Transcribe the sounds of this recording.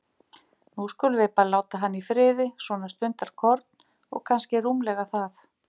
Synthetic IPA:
nuskʏlʏvɪpalaːwt̪aɦanːifɾɪːðɪsvɔːnast̪ʏnt̪aɾ̥kʰɔɾt̪n | ɔ̰ɣkʰanscɪɾumlɛɣaθaθ

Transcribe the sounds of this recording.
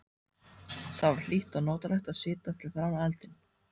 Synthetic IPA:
θavaɾ̥l̥iht̪anɔːt̪alɛjht̪aðsɪːt̪afɪɾɪɾ̥θaɾanɛlt̪ɪn

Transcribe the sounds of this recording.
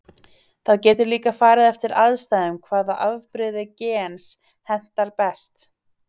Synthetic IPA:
θaðcɛːt̪ʏɾliːkafaːɾɪðɛft̪ɪɾaðst̪aːjðʏmkʰvaːðaʔavpɾɪðɪcɛːns | hɛn̥t̪aɾpɛst̪

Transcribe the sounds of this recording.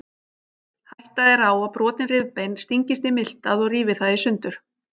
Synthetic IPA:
hajht̪aðɛɾaːwaðpɾɔːt̪ɪnrɪvpejnst̪iɲcɪst̪ɪmɪl̥t̪aðɔɣriːvɪθaðisʏnt̪ʏɾ̥

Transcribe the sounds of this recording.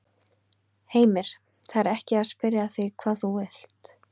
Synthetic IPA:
heːjmɪɾ̥ | θaɾɛhcɪaðspɪɾjaθikʰvaːðθuɛl̥t̪

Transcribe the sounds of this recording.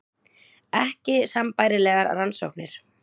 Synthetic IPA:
ɛhcɪsampaːjɾɪlɛːɣaɾa̰ɾanso̰wknɪɾ̥

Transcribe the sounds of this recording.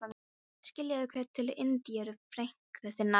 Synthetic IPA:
a | scɪljaðɪkʰvœːt̪ʰːɪlʔɪnt̪iɛɾʏfɾejŋ̥kθɛθɪna

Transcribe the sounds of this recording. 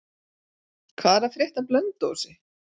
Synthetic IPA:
kʰvaːɾafɾjɛht̪aplœnt̪ːo̰wsɪ

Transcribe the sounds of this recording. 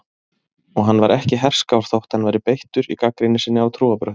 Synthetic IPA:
ɔɣɦanːvaɾɛhcɪɦɛr̥skawɾ̥θowht̪hanvajɾɪpejht̪ʏɾḭkakɾɪnːɪsɪnːɪawt̪ʰɾuːapɾœht̪

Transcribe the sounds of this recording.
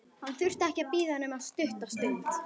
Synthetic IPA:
hanːθʏr̥t̪ɛhcɪapiːðanɛmaðst̪ʏht̪ast̪ʏnt̪

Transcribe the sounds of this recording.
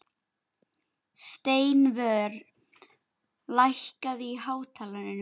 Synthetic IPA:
st̪eːjnvœːɾ | lajhkaðihaːwt̪ʰaːlanʏn

